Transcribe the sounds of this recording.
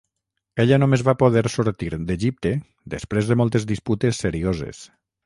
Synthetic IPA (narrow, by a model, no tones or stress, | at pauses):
eʎənomezβapoð̞ɛɾsuɾt̪iɾd̪eʒip̚t̪e | d̪espɾezðəmɔlˠt̪ezd̪isput̪esːeɾiozḛs